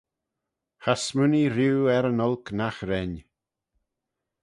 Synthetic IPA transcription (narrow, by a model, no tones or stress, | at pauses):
hasmʉniɾuːɛɾənɔlknaxɾɛn